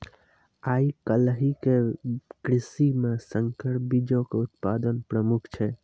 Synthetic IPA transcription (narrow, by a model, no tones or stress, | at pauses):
aikəlɦikekɾisimesəŋkəɾbid͡ʒõkeut̪pad̪ənpɾəmukʰt͡ʃʰɛ